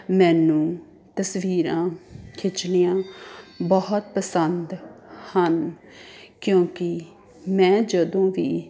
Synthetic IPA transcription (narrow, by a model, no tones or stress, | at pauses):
mɛ̃ːnũː | t̪əsʋiːɾãːkʰɪt͡ʃnijãːbəɦʊt̪pəsənd̪hən | kjõːkɪ | mɛ̃ːd͡ʒəd̪õːʋiː